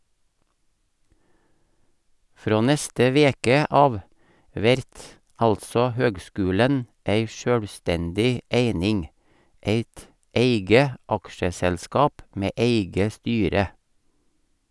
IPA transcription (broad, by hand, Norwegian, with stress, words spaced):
ˈfɾoː ˈnɛstə ˈʋeːkə ˈɑːʋ ˈʋɛɾt ˈɑltsɔ ˈhøːɡˌskʉːlən ˈeɪ ˈʃœɽˌstɛndɪ ˈeɪnɪŋ ˈeɪt ˈeɪɡə ˈɑkʃəsɛlˌskɑːp ˈmeː ˈeɪɡə ˈstyːɾə